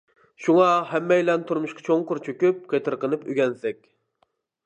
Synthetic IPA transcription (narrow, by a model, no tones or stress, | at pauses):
ʃuŋɑhɛmːɛjlɛnt̪ʰuɾmuʃqʰɑt͡ʃʰoŋqʊɾt͡ʃʰøkʲyp̚qʰet̪ʰɨɾqənɨpyɡʲɛnsɛk̚ʲ